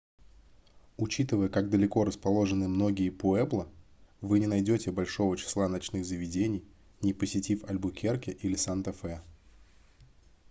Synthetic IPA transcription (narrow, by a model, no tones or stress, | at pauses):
ʊt͡ɕit̪ɨvəjəkaɡ̚d̪əlʲɪko̞ɾəspɐlˠo̞ʐɨnɨmno̞ɡʲɪjəpʊɛblˠəvɨnʲɪnɐjdʲo̞tʲɪbɐlʲʂo̞vət͡ɕɪ̥slˠanɐt͡ɕnɨɣzəvʲɪdʲenʲɪj | nʲɪpəsʲɪtʲifɐ̰lʲbʊkʲerkʲɪʔilʲɪsant̪ɐfɛ